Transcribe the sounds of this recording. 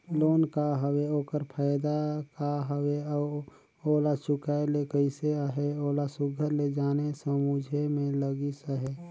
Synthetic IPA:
loːnkaɦəweoːkəɾpʰaːjd̪akaɦəweɔː | oːlat͡ʃʊkaelekəɪseaɦeoːlasʊɡʱəɾled͡ʒaːnesəmud͡ʒʱemẽləɡisəɦe

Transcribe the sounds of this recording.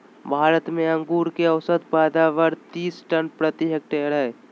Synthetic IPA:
bʱaːɾət̪mẽɐ̃ŋɡuːɾkeəwsət̪̚paːd̪aːʋəɾt̪iːsʈənpɾət̪iɦek̚ʈeːɾɦɛː

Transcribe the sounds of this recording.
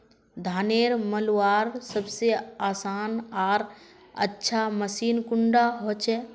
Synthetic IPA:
d̪ʱaːneːɾməlaːɾsəbseaːsaːnaːɾ | ə̰tːʃʰaməsiːnkʊɳɖaɦot͡ʃɛː

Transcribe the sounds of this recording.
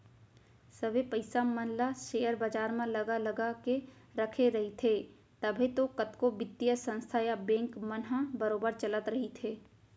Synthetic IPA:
səbʱepəɪsamənlaʃeːjəɾbaːd͡ʒaːɾmãlɐɡalɐɡake | ɾɐkʰeɾɐɦit̪ʰeː | t̪ɐbʱet̪okət̪kobɪt̪ːijəsə̃nst̪ʰajabẽːŋkmənɦabəɾoːbəɾt͡ʃələt̪ɾɐɦit̪ʰeː

